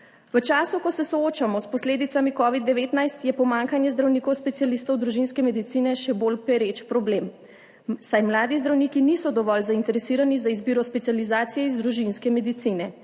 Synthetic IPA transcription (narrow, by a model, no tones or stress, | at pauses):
ʋət͡ʃaːsukɔsɛsɔoːt͡ʃamɔspɔsleːd̪it̪samikɔːʋid̪ːɛʋeːt̪najst̪jɛpɔmaŋkanjɛzd̪ɾawniːkɔwspɛt̪sijalist̪ɔwd̪ɾuʒinskɛmɛd̪it̪siːnɛʃɛbolpɛɾet͡ʃpɾɔbleːm | sajmlaːd̪izd̪ɾawniːkiniːsɔd̪ɔʋɔlzaint̪ɛɾɛsiːɾanizaizbiːɾɔspɛt̪sijalizaːt̪sijɛizd̪ɾuʒinskɛmɛd̪it̪sinɛ